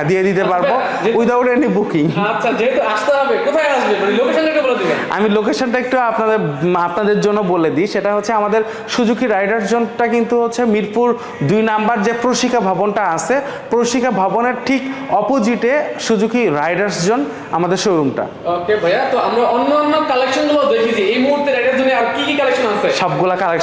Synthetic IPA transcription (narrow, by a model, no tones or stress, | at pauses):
d̪ied̪it̪epaɾbbo | eujd̪aoʈenibukiŋatːʃʰad͡ʑeɦet̪uaʃt̪eɦɔbekot̪ʰajaʃbemaɽilokeʃonʈekeboled̪ibea̰milokeʃonʈaek̚ʈuapnad̪eɾapnad̪eɾd͡ʑonːoboled̪iʃeʈaɦotːɕʰeamad̪eɾ | ʃud͡ʑukʰːiɾajɖaɾs̬d͡ʑonʈakint̪uɦotːɕʰemiɾpuɾ | d̪ujnambaɾd͡ʑepɾoʃikʰabʱabonʈaase | pɾoʃikʰabʱaboneɾʈʰikɔpod͡ʑiʈeʃud͡ʑukʰːiɾajɖaɾsd͡ʑon | a̰mad̪eɾʃoɾumʈa̰ | okebʱajat̪oamɾaonːoɔnːokalekʃonɡobaɾd̪ekʰit͡ɕʰiejmuɦuɾt̪ːeɾajɖaɾd͡ʑonːeaɾkikikɔlekʃonasʰeʃɔbɡulakalekʃ